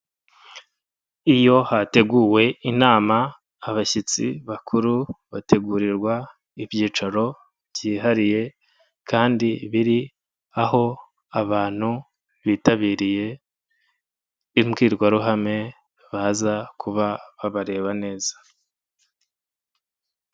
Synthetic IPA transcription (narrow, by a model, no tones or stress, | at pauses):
ijo̞hate̞ɡuːwe̞inaːmaː | βaʃit͡sḭβakʰuɾuβate̞ɡuːɾiɾɡwa | ivjiːt͡ʃaɾo̞ | vjiːɦaɾije̞ | kaːndiβiɾi | aɦo̞ | aβaːn̥hu | βiːtaβiːɾije̞ | imɡiːɾɡwaɾuɦame̞ | βaːzakʰuβaβaβaɾe̞ːβane̞ːz̥ḁ